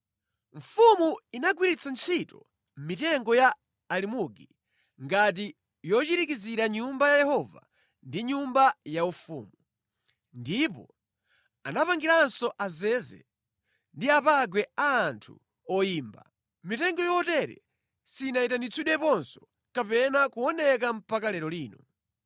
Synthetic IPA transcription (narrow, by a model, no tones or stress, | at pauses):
ɱ̩fumuinaɡwiɾit͡sʰant͡ʃʰitɔ | m̩mitɛŋɡɔjaː | limuɡi | ŋɡat̬i | jɔt͡ʃiɾikiziɾaɲumbajajɛhɔva̰ | ndiɲumbajaufṵːmu | ndipɔ̰ | anapaŋɡiɾaːnsɔʔazɛːzɛ̰ | ndiapaɡwɛaːntʰṵ | ɔjiːmba̰ | mitɛŋɡɔjɔtɛɾɛ̰ | siːnaitanit͡sʰuɗɛpɔnsɔ̥ | kapɛnakuɔnɛk̬am̩pʰakalɛɾɔliːnɔ